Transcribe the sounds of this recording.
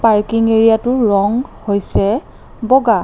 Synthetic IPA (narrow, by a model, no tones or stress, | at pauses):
paɹkiŋeɹijatʊɹɔŋhojsɛ | bɔɡa